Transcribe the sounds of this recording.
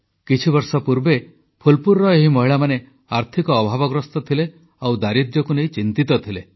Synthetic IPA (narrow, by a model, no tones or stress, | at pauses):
kit͡ʃʰibɔɾsɔpuɾbe | pʰulpuɾːɔeɦimɔɦiɭamane | aɾt̪ʰikɔːbʱabɔɡɾɔst̪ɔt̪ʰile | awd̪aɾid̪jɔkunejt͡ʃint̪it̪ɔt̪ʰile